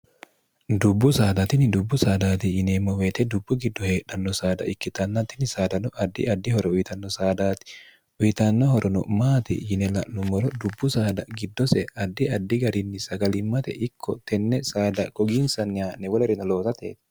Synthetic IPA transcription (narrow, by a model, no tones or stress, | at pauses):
d̪ʊbːʊsaːd̪ɐt̪ɪnɪd̪ʊbːʊsaːd̪aːt̪ɪjɪnɛmːɔwet̪ɛd̪ʊbːʊɡɪd̪ːɔheːᶑɐnːɔsaːd̪ɐ̰ʔɪkːɪt̪ɐnːɐt̪ɪnɪsaːd̪ɐnɔʔɐd̪ːɪ̰ɐd̪ːɪhɔɾɔʊjt̪ɐnːɔsaːd̪aːt̪ɪ̥ | ʊjɪt̪ɐnːɔɦɔɾʔɔnɔ̰maːt̪ɪ̰jɪnɛlɐʔnʊmɔɾɔd̪ʊbːʊsaːd̪ɐɡɪd̪ːɔsɛɐd̪ːɪɐd̪ːɪɡɐɾɪnːɪsɐɡɐlɪmːɐt̪ɛ̰ʔɪkʰːɔt̪ɛnːɛsaːd̪ɐɡɔɡinsɐnːaːnːɛwɔlɛɾɪnɐloːt̪ɐt̪ḛːt̪